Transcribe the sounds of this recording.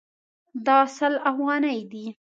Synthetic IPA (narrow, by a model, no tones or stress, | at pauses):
d̪ɑsəlafɣɑnajd̪i